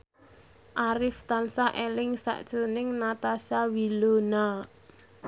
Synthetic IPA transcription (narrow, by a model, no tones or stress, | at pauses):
ʔaɾɪft̪ansaʔelɪŋsa̰ʔd̥ʒ̥o̤nɪŋnat̪asawilona